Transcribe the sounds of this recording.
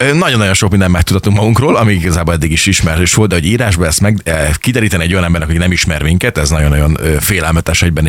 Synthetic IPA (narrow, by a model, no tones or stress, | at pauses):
ønɒɟonːɒjo̞nʃokmind̪ɛmːɛk̚t̪ut̪ɒt̪uŋkmɒɡuŋkroːlɒmiiɡɒzaːboːlɛd̪ːiɡiʃiʃmɛrøːʃʋoltd̪d̪ɛɦo̞ɟiːɾaːʒbɒɛsmɛɡkid̪ɛɾiːt̪ɛniɛɟo̞jɒnɛmbɛɾrnɛkhocnɛmiʃmɛrmiŋkɛt̪ɛznɒɟonːɒjonøːfeːlɛlmɛt̪ɛʃhɛɟbɛn